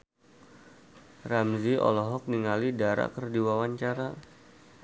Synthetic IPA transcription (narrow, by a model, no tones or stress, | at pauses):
ramziɔ̰lɔɦɔk̚niŋalidaɾa̰kərdiwawaɲt͡ʃaɾa